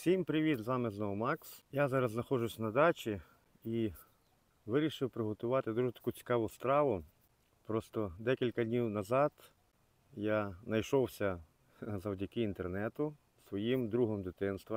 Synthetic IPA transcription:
sʲimpɾɪʋʲid̪zʋɑmɪznɔmɑksjazɑɾɐzznɐxɔʒʊsʲnɐd̪ɑt͡ʃʲi | i | ʋɪɾʲiʃɪwpɾɪɦɔt̪ʊʋɑt̪ɪd̪uʒɛt̪ɐ̥kut͡sʲi̥kɑʋʊst̪ɾɑʋʊ | pɾɔst̪ɔd̪ɛkʲilʲkɐdʲnʲiwnɐzɑd̪ | janɐjʃɔwsʲɐ | zɐwdʲɐkɪint̪ernɛt̪ʊ | sʋɔjimd̪ɾuɦɔmd̪ɪt̪ɪnst̪ʋɐ

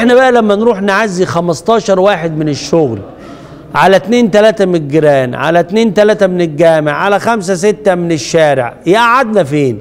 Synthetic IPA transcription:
ʔeħnæbæʔælæmːænɾuːħnʕazːixæmɑst̪ˤɑːʃɑɾˤwaːħed̪mɪneʃːoɣl | ʕalæt̪neːnt̪ælæːt̪æmeɡɾæːnʕa̰læt̪neːnt̪ælæːt̪æmɪnelɡæːmḛʕʕalæxæms̬æsɪt̪ːæmɪneʃːæːɾḛʕjɪʔaʕad̪næfeːn

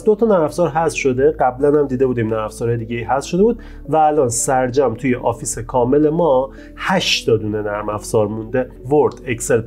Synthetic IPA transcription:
d̪o̞t̪ʰɒnæɾæfzɒːɾɦæst̪ʃo̞d̪e̞ɢæblænhæmd̪iːd̪e̞buːd̪iːmnæɾæfz̥ɒɾɒjed̪iːɟeiːɦæsʃo̞d̪ebuːd̪̚ | væːlɒːnsæɾd͡ʒæmt̪ʰuːjeʔɒːfiːsekʰɒːme̞le̞mɒ | hæʃd̪ɒd̪uːnenæɾmæfz̥ɒːɾmund̪e | voɾd̪ecse̞l

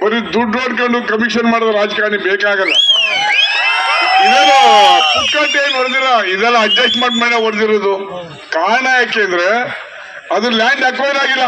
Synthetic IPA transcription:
bɐɾid̪uɖɾoɖkɐɳɖukɐmikʂɐnmaːɽd̪ɐɾaːd͡ʒɡaːɳibeːkaːɡɐlːɐ̰ | ilɛlːɐad͡ʒkaːʈeːnɔɾd̪iɾɐid̪ɛlːɐɐɖd͡ʒesʈmaːʈmaːɽnɐɦɐɾd̪iɾod̪u | kaːɾɐɳaːjɐkːeɐnd̪ɐɾe | ɐd̪ɾɐlaːɳɖɐkʋɐjɾaːɡilːɐ

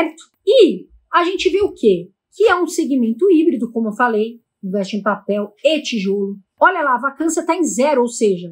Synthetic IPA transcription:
ɾt̪ʊ̥ɪ | aʒẽnt͡ʃɪveʊke | kɪɛũseɡimẽnt̪ʊibɾid̪ʊkõmʊewfalej̃ | ɡɛʃĩpapɛwet͡ʃiʒolʊ | ɔʎɐlaːvakɐ̃sɐt̪aẽzɛɾʊowseʒɐ

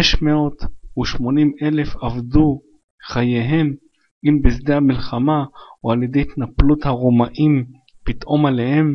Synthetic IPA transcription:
eʃmeo̞t̪uʃmo̞nime̞le̞favd̪u | χajeɦe̞m | imbizd̪ehamilχamaualjed̪ejt̪naplut̪haʁomaʔim | bit̪ʔo̞male̞he̞m

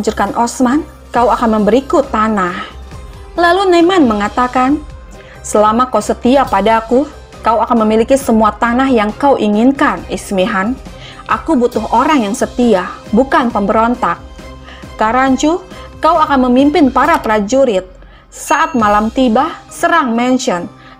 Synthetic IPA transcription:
d͡ʒurkanʔɔsman | kauakanməmbəɾikʊt̪ːanah | lalunemanməŋat̪akan | səlamakausət̪iapadaku | kawakanməmilikisəmuat̪anahjaŋkauʔiŋinkanismiɦan | ʔakubut̪ʊɦoɾaŋjaŋsət̪iah | bukanpəmbəɾont̪ak̚ː | aɾaɲt͡ʃukauakanməmimpɪnpaɾapɾad͡ʒuɾɪt̪̚ | saʔat̪̚malamt̪ibasəɾaŋmɛnʃɔn

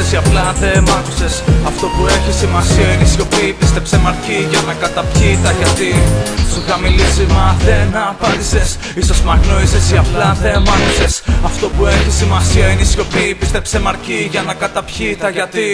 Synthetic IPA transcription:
esiɐplɐθemɐk̪u̥se̞sɐft̪o̞pue̞çisimɐsiɐinisço̞piːpist̪e̞psemɐɾciʝɐnɐkɐt̪ɐpçit̪ɐʝɐt̪isxɐmilizimɐðenɐpɐnd̪ise̞s | isosmɐɣno̞isesiɐplɐðemɐk̪usesɐft̪o̞pue̞çisimɐsiɐinisço̞pipist̪epsemɐɾciʝɐnɐkɐt̪ɐpçit̪ɐʝɐt̪i

